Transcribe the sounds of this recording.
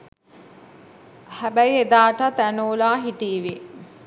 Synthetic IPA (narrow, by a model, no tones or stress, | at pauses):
hæbæjed̪aːʈat̪ænoːlaːɦiʈiːʋi